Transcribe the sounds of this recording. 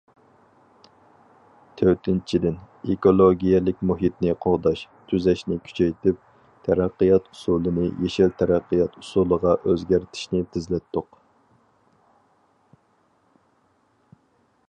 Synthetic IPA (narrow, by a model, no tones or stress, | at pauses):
t̪ʰøt̪ʰɪnt͡ʃʰid̪ɪn | ekolˠoɡʲijɛlɪk̚ʲmuɦit̪nɪqʰoʁd̪ɑʃt̪ʰyzɛʃnɪkʲʰy̥t͡ʃʰɛjt̪ʰɪp̚ | t̪ʰɛɾæqːəjɑt̪u̥sulˠɨnɨ̰jeʃilt̪ʰɛɾæqːəjɑt̪usulˠəʁɑʔøzɡʲæɾt̪ʰɪ̥ʃnɪt̪ʰɪzlɛt̪ːʊq